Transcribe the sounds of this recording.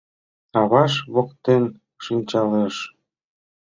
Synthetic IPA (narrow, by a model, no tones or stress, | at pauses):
ɑβɑʃβokt̪en | ʃinʲt͡ɕɑleʃ